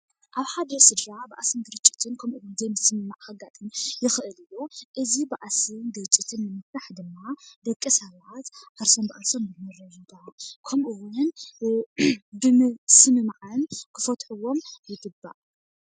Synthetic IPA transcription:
ʔaβħad̪ɐsɨd̪ɾaba̰ʔasɨnd̪ɨɾɨt͡ʃʼːɪ̥t̪ʰɨnkʰɐmʔuwunzɐjmɨsɨmɨmaʕhaɡat̪ʼɨnjɪxɨʔɨlɨjːuʔɨzibaʔasɨnd̪ɨɾɨt͡ʃʼːit̪ʰɨnːɨmɨft̪aħd̪ɨmːad̪ɐkʼːisɐβat̪ʕaɾsombɨʔasomjɨnɨɾɐjuɡakʰɐmʔuwʊn | bɨmsɨmɨmaʕɨnkʰɨfɐt̪ʼħuwo̞mjɪɡɨbːa̰ʔ

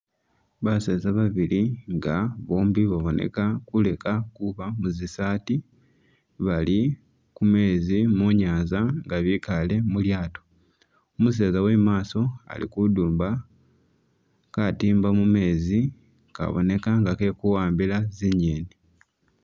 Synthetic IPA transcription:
βaseːzaβaβiliŋɡaβoːmbiβaβo̞ne̞̰kakule̞kakuβamuzisaːti | βali | kume̞ːzimuɲaːzaŋɡaβikale̞muljaːto̥ | omus̬e̞ːzaweːmaːso̞a̰lḭkuduːmba | katiːmbamume̞ːzi | ka̰βo̞̰ne̞kaŋɡake̞kuwaːmbilaziɲeːni

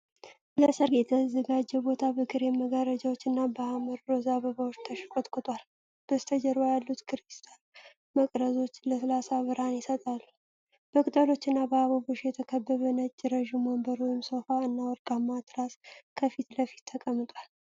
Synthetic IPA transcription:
ləsəɾjɛt̪ʰəzəɡad͡ʒːɛbo̞t̪ʰabɨkʰɨɾjɛməɡaɾəd͡ʒawot͡ʃːɨnːabəaməɾːozaβəβawot͡ʃːt̪ʰəʃkʼot̪ʼkʰʼɨt̪ʰwal | b̥əst̪ʰəd͡ʒəɾojalːut̪kʰɨɾist̪ʰʼan | məkʼɾəzo̞t͡ʃːləsəlasaβɨɾhanjɪsət̪ʼalːu | b̥əkʼɨt̪ʼəlo̞t͡ʃːɨnːabəaβəboʃjɛt̪ʰəkʰəbːəβənəd͡ʒːɪɾəʒuməmbəɾojɪmsofaɨnːawɔɾkʼamːat̪ʰʼɨɾaskʰəfit̪ləfi̥t̪ʰːəkʼəmːɨt̪ʼwal

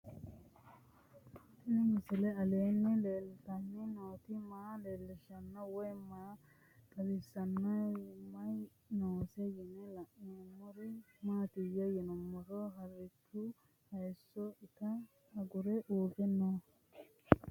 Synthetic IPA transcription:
ʔɪnɪmɪsɪlɛɐle̞ːnːɪleːlɪt̪ɐnːɪnoːt̪ɪmaːleːlːɪʃɐnːɐwɔjmaː | kʼɐlɪsɐnːɐmɐj | noːsɛjɪnɛlɐʔɪɛmːɔɾɪ | maːt̪ɪjɐjɛnɔmːɔɾɔɦɐrːɪt͡ʃːʊ | hɐjsːɔɪt̪ɐ | ɐɡʊɾɛʔuːɡɛnːoː

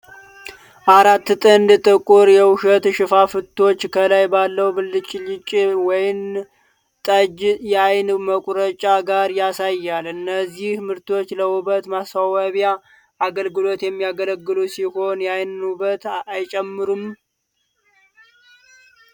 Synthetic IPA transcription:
ʔaɾat̪ːt̪ʼənd̪ɨt̪ʼəkʼːuɾjɛwʊʃət̪ʃɨfafɨt̪ʰːo̞t͡ʃːkʰəlajbalːəwbɨlːɨt͡ʃʼːlɪt͡ʃʼwɔjɪm | t̪ʼəd͡ʒjajnməkʼɾət͡ʃʼaɡaɾjasajːalɨnːəzːihmɨɾt̪ʰo̞t͡ʃːləwubət̪masawaβja | aɡəlɡɨlo̞t̪jɛmːijaɡələɡːɨlusiho̞njajnubət̪ajt͡ʃʼɛmːɨɾum

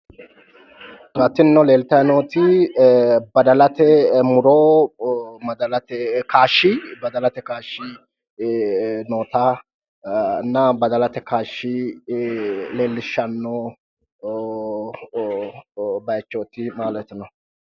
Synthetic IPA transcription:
ɡɐt̪ːɪnnːɔle̞ːlt̪ɐjnoːt̪ɪ | bɐd̪ɐlɐt̪ɛmʊɾoː | mɐd̪ɐlɐt̪ɛkaːʃːɪbɐd̪ɐlɐt̪ɛkaːʃːɪ | noːt̪ɐ | nːɐbɐd̪ɐlɐt̪ɛkaːʃːɪ | leːlːɪʃːɐnːɔ | bɐjt͡ʃːoːt̪ɪmaːlɛjt̪ːɪnɔ

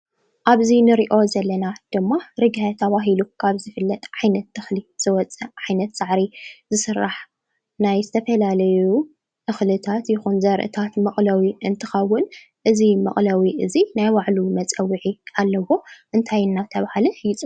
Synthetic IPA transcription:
ʔaβzinɨɾiʔo̞zɐlːɐnad̪̥ɨmːaɾɨɡat̪ʰɐβaɦilukʰaβzɨfɨlːɐt̪ʼʕajnɐt̪ːɨxliz̥ɨwɔt͡sʼɐʕajnɐt̪saʕɾizɨsɨrːaħ | najzɨt̪ʰɐfɐlalɐju | ʔɨxlɨt̪ʰat̪jɪxunzɐɾʔɨ̰t̪ʰat̪mɨχʼlɐwiʔɨnt̪ʰɨxɐwːʊn | ʔɨzimɨ̰χʼlɐwiʔɨzinajwaʕlumɐt͡sʼɐwːiʕiʔalːɐwo̞ʔɨnt̪ʰajnːat̪ʰɐβahliħjt͡sʼɨ

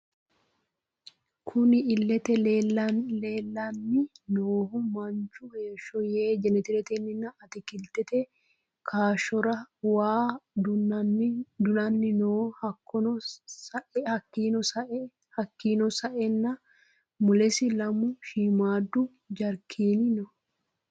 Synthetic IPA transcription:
kʰʊnɪɪlːɛt̪ɛlelɐleːlːanːɪnoːhʊmmɐnt͡ʃʊeːʃɔjeːd͡ʒɛnːɛt̪ɪlɛt̪ɛnːɪnːɐɐt̪ɪkɪlt̪ɛt̪ɛ | kʰaːʃɔɾɐwaː | d̪ʊnɐnːɪnoːhɐkːɔnɔsɐʔhɐkːiːnɔsɐʔ | hɐkːiːnɔsɐʔɛnːɐ | mʊlɛsɪlɐmʊʃiːmaːd̪ːʊ | d͡ʒɐɾkʰiːnɪnɔ

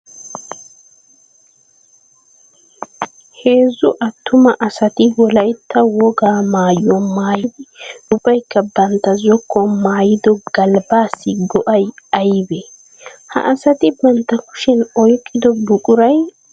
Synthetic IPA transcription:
he̞ːzːʊʔɐt̪ːʊmɐʔɐsɐt̪ɪwɔlɐjt̪ːɐwɔɡaːmaːjɔmaːjɪd̪ɪʊbɐjkːɐbɐnt̪ːɐzɔkːɔmaːjɪd̪ɔɡ̥ɐlbaːsːɪɡɔʔɐjɐjbe | hɐ̰ʔɐsɐt̪ɪbɐnt̪ːɐkʊ̥ʃɛnɔjkʼːɪd̪ɔbʊkʼʊɾɐj

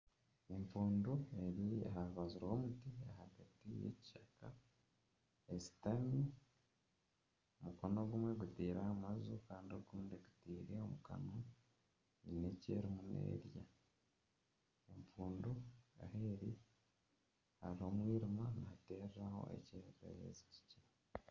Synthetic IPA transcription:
emfuːndue̞ɾiɦaβazuɾaomutiahaɡatijḛci̥ʃaka | esi̥tami | omukonoɡumwe̞ɡutiːɾahamazukaːndioɡuːndeɡu̥tiːɾeomuka̰no | ɲine̞cḛːɾimunḛːɾja | empuːndua̰heɾi | haɾiho̞mwiːɾimanate̞ːɾɾaho̞̰ʔḛceeɾa̰jḛzi̥ci̥ciɾa

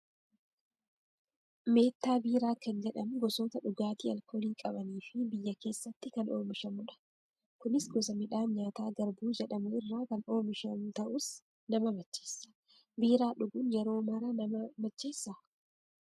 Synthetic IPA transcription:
me̞ːt̪ːaːbiːɾaːkɐnd͡ʒɛᶑɐmʊɡɔsoːt̪ɐᶑʊɡaːt̪iːɐ̰lkʰoːliːkʼɐbɐniːfɪbɪjːɐke̞ːsːɐt̪ːɪkɐnʔo̞̰ːmɪʃɐmʊᶑɐ̥ | kʊnɪsɡɔs̬ɐmɪᶑaːɲaːt̪aːɡɐɾbuːd͡ʒɛᶑɐmʊɪrːoːkɐno̞ːmɪʃɐmʊt̪ɐʔʊs | nɐmɐbɐt͡ʃːeːsːɐ̥ | biːɾaːᶑʊɡʊnjɛɾo̞ːmɐɾɐnɐmɐmɐt͡ʃːe̞ːsːɐ

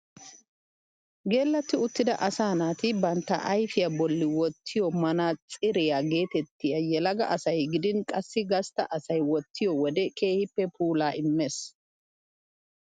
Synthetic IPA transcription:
ɡe̞ːlːɐt̪ːɪʊt̪ːɪd̪ɐʔɐsaːnaːt̪ɪbɐnt̪ːɐ̰ʔɐjfɪjɐbɔlːɪwɔt̪ʰːɪjɔmɐnat͡sʼɪɾɛjaɡe̞ːt̪ɛt̪ːɪjɐjɛlɐɡɐ̰ʔɐsɐjɡɪd̪ɪnkʼɐsːɪɡɐst̪ɐ̰ʔɐsɐjwɔt̪ʰːɪjɔwɔd̪ɛkʰe̞ːhɪpːɛpuːlaːʔɪmːeːs

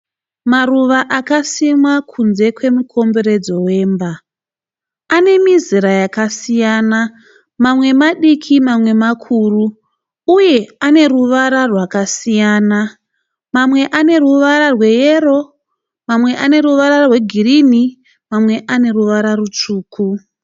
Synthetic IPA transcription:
maruʋaʔakasimakʰunze̞kwe̞mukʰo̞mbe̞ɾed͡zo̞we̞ːmba | ane̞miziɾajakasijaːna | mamwe̞maɗikʰimamwe̞makʰuːruː | je̞ane̞ɾuʋaɾarwakasijaːna | mamwe̞ʔane̞ruʋaɾarwe̞jeɾo̞ | mamwe̞ʔane̞ɾuʋaɾarwe̞ɡʱirini | mamwe̞ʔane̞ɾuʋaɾarut͡ʂuːkʰu

